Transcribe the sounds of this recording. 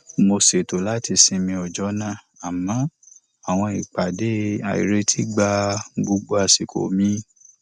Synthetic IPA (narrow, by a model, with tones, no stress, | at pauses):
mo˧se˨to˨la˦ti˧sĩ˧mĩ˧ɔ˨d͡ʒɔ˨˦nã˦˨ | a˨mã˨˦ | a˨w̃ɔ̃˧i˨k͡pa˨de˨˦a̰˨ḭ˨ɾe˨˦tʰi˦ɡ͡ba˧ɡu˨˧˦ɡ͡bo˦a˨si˨kʰo̰˨mĩ˦